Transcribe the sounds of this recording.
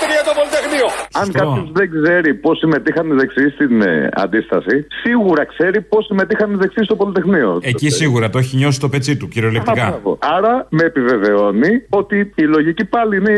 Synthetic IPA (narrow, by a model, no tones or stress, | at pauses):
t̪ɾiɐt̪opolit̪exnioɐŋkɐpozðe̞ɡze̞ɾipo̞sime̞t̪ixɐnizðeksist̪inɐ̰nd̪ist̪ɐsisiɣuɾɐkse̞ɾipo̞sime̞t̪ixɐnmizðeksist̪o̞po̞lit̪e̞xnio̞̰ecissiɣuɾɐt̪oeçiɲo̞si̥t̪o̞pe̞t͡sit̪uciɾioleptiɐkɐɐvo̰ɐɾɐme̞ːpive̞ve̞o̞nio̞t̪iːlo̞ʝicipɐline